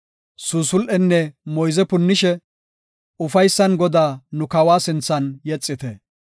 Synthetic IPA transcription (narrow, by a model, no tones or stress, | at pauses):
suːsʊlʔɛnːɛmɔjzɛpʊnːɪʃɛ | ʊfɐjsːɐnɡɔd̪aːnʊkɐwaːsɪnt͡sːɐnjɛt͡sʼːɪt̪ɛ